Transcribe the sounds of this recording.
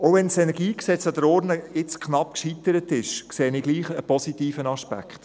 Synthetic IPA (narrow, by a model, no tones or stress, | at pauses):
oʊʋɛnsɛnɛɾɡiːksɛt͡sɑd̪əɾɔɾnəɪt͡skʰχnɑp̚kʃit̪əɾətɪʃkseːniɡliːχəpɔsitiːfənɑʃpæ̰kχt